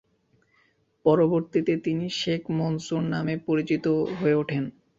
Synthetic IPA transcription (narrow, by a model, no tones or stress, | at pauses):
pɔɾoboɾt̪it̪et̪iniʃekʰmonsuɾnamepoɾit͡ɕit̪oɦoeuʈʰen